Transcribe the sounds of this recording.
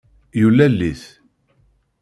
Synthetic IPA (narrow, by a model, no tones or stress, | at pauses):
julːælːiθ